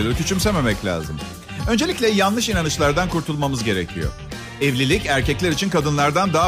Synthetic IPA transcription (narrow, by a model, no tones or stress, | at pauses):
lt̪ʰyt͡ʃʰymseme̞mɛclʲa̰ːzɯm | ø̞nd͡ʒe̞lʲicʲlʲɛjanlˠɯʃinanɯt͡ʃlˠaɾd̪ankʰuɾt̪ʰulˠmamɯzɟe̞ɾecʰijo̰ | ɛvlʲilʲicæɾcɛclʲæɾit͡ʃʰinkʰad̪ɯnlˠaɾd̪and̪a